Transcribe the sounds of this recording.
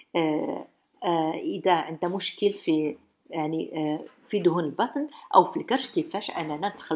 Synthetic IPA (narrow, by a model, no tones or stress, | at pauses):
ʔəd̪æʕənd̪æmʊʃkəlfi | jaʕnifid̪ʊɦunəlbɑt̪ˤnʔæ̰wfilkɑɾˤʃkəfæʃʔæ̰nænænət̪xəl